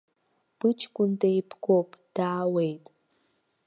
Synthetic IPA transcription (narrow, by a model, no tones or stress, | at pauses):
pɨt͡ʃkʷuntejpkʷopd̥awejtʼ